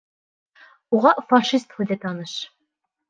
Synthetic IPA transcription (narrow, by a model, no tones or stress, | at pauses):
uʁɑfɑʃist̪huðæt̪ɑnɤʃ